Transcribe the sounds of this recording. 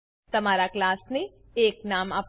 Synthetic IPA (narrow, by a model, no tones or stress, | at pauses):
t̪ɐmaːɾaklaːsne | eːknaːmap